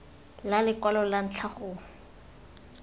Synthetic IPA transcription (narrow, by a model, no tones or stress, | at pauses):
lalɪkwalɔlan̩t͡ɬʰaχʊ